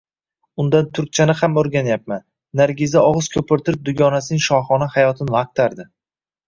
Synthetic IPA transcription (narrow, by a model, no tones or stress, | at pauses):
ʊnd̪ant̪ʰʊɾk̚ʲt͡ʃʰanɪhamɵɾɡʲanjap̚manː | aɾɡʲɪzaɒʁɨz̥kʲʰɵpɪɾt̪ʰɪɾɪp̚d̪ʊɡʲɒnasɪnɪŋʃɒχɒnahajɒt̪ʰɪnvaq̚t̪ʰaɾd̪ɪ